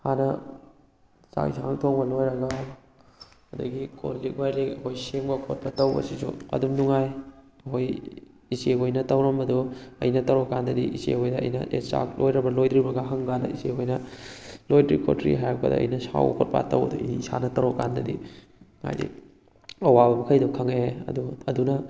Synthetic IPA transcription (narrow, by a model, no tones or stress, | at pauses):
hanɐ | t͡ʃa̰kisʰaŋtʰoŋbɐlojɾɐɡɐ | ɐdɐɡiko̰lːik̚wajɾekɐkʰojseŋbɐkʰot̚pɐtɐwbɐ̰sisṵɐ̰dumnuŋaj | ɐhoj | iseɡojnɐtɐwɾɐmbɐdoɐ̰jnɐtɐɾokːandɐdiʔisḛhojdɐɐ̰jnɐ̰ʔḛsa̰k̚lojɾɐbɐlojdɾibɐɡɐɦɐŋɡandɐ̰isekojnɐlojdɾḭkʰo̰tɾḭɦajɐkʰɐ̰dɐ̰ːjnɐsa̰wɐ̰kʰot̚pa̰tɐ̰wɐduiisa̰nɐtɐɾokːandɐ̰di | ŋa̰jdḭ | ɐwabɐmɐkʰɐjdɔkʰɐŋeɐ̰duɐdunɐ